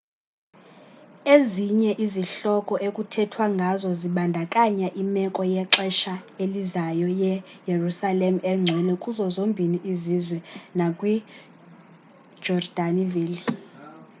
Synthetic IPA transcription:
eziɲɛʔiziɬɔkʼɔʔekʼutʰɛtʰwaŋɡʱazɔziɓandʱakʼaɲaʔimɛkʼɔjɛǁɛʃaelizajɔjɛjerusalem̩ɛŋ͡ǀʱwɛlɛkʼuzɔzombʱiniʔizizwɛnakʼwi | d͡ʒɔrd̥aniviːli

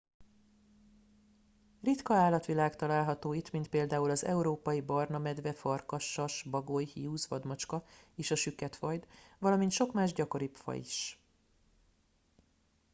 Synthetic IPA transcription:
rit̪kɒaːlːɒt̪ʋilaːkt̪ɒlaːlɦɒt̪oːit̪mint̪̚peːld̪aːulɒzɛ̰uɾoːpɒjibɒrnɒmɛd̪ʋɛfɒrkɒʃːɒʃbɒɡojhiuːzʋɒd̪mot͡ʃkɒeːʃɒʃykːɛt̪fɒjd̪ʋɒlɒmint̪ʃo̞kmaːʒɟɒko̞ɾipfɒ̰ḭʃ

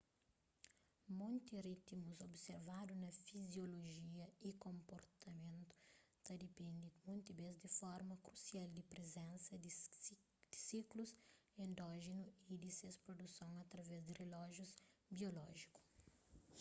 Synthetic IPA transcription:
mõnt̪irit̪muzobseɾvad̪unɐfizjoloʒiɐikõmpoɾt̪ɐmẽnt̪ʊ̥t̪ɐd̪epẽnd̪id̪mõnt̪ibezd̪ɪfɔɾmɐkɾusiald̪ɪpɾezẽnsɐ | d̪̥ɪsikluzẽnd̪ɔʒenuid̪isespɾod̪usõŋɐt̪ɾɐvɛzd̪ɪrelɔʒjuzbiolɔʒiku̥

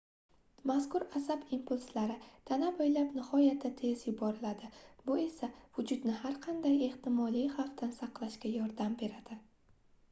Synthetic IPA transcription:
maskʰʊɾasabimpʊlslaɾɪt̪ʰanabojlapnɪhɒjat̪ʰːat̪ʰe̞zjʊbɒɾɪlad̪ɪbʊe̞savʊd͡ʒʊd̪nɪhaɾqʰɑnd̪aje̞ht̪ɪmɒlijhaft̪ʰansɑqlˠaʃkʲajɒɾd̪ambe̞ɾad̪̥ɪ

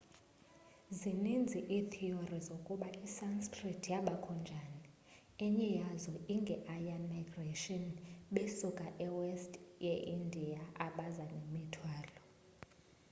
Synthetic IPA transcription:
zinind͡zʱiʔitʰiorizokʼuɓaisanskʰʼritʰjaɓakʰɔnd͡ʒʱani | ɛɲɛjazɔiŋɡʱɛʔajanmaɡreʃɔnɓesukʼaʔɛwɛstʼjɛʔindʱiaʔaɓazanemitʰwaːlɔ

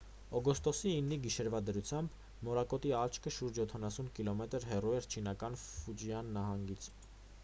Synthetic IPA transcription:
ɔɡɔst̪ɔsiːnːiɡiʃɛɾvɑd̪əɾut͡sʰjɑmb | mɔɾɑkɔt̪iɑt͡ʃʰkʰəʃuɾd͡ʒjɔt̪ʰɑnɑsunkilɔmɛt̪əɾɦɛruɛɾt͡ʃʰin̪ɑkɑnfud͡ʒjɑnːɑɦɑŋɡit͡sʰ

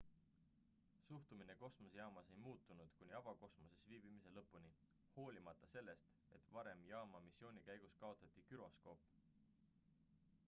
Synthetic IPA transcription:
suht̪umine̞ko̞smosjɑːmɑse̞jmuːt̪ːˑunud̪̥kunʲiɑbɑko̞smo̞sesviːb̥imise̞lɤpːˑuni | ho̞ːlʲimɑt̪ːˑɑse̞lːe̞st̪ | e̞t̪vɑɾe̞mjɑːmɑmisːio̞ːnʲikæjɡ̥uskɑo̞t̪ˑːɑt̪ˑːikyɾo̞sko̞p

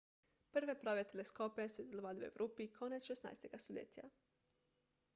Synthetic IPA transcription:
pr̩ʋepɾoʋet̪eleskopesuzeloʋaːluḛʋɾʔopikʰonet̪sʃesna̰ːjst̪eɡast̪oʎḛt̪ija̰

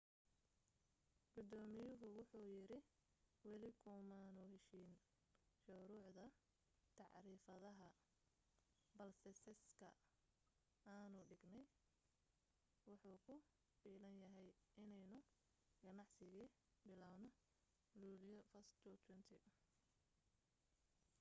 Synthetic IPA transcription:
ɡ̥ʊd̪ɔːmɪjʊɦʊwʊħuːjɪɾɪ | wɛlɪkʰʊmaːnuhɛʃiːn | ʃʊɾʊːʕd̪ɐ | t̪ʰɑʕɾiːfɐðɐɦɐ | bɐlsɛsɛskʰɐ̰ | aːnʊɖɪɡnɛj | wʊħuːkʰʊ | fiːlɐnjɐɦɛjʔɪnɛjnʊ | ɡ̥ɐnɑʕsɪɣiː | bɪlaːwnɔ | luːlɪjɔfɐst̪ʰut̪ʰwɛnt̪ʰɪʔʊ

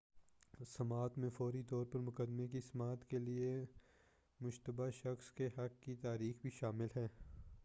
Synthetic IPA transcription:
sɐmaːt̪mẽfɔːɾit̪ɔːɾpɐɾmʊkəd̪mekisɐmaːt̪kelie | mʊʃt̪əbaʃɐxskeɦɐkːit̪aːɾiːxbʱiʃaːmɪlɦɛː

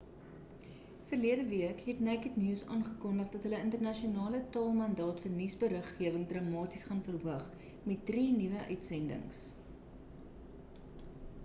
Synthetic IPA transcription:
fərliədəviəkɦɛtnækətniːsɑ̰ːnχəkɔndəχdɐtɦələəntərnɐʃionɑːlətɑːlˠmɐndɑːtfərnisbəɾəχːiəvəŋdrɑːmɑːtisχɑnfərɦuəχ | mɛt̚drinivəʔœɥtsɛndə̰ŋs

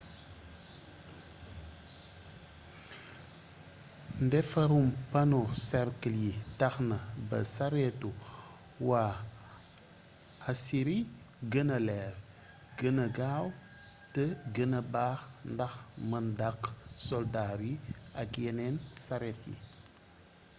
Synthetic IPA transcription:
ndɛfaɾumpanoseɾkəljitaxnabɐ̰saɾetu | wa | asiɾi | ɡənɐleɾ | ɡənɐɡaw | təɡənɐbaxndaxmɐndaksoldaɾiakenensaɾetḭ

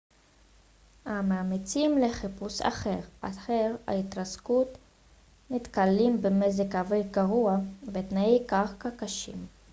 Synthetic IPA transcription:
hamaːmit͡simleχipusa̰χeʁaχeʁha̰it̪ʁaskut̪ | mit̪kalimbemezekhavejɡaʁuavet̪naekaχkakaʃḭm

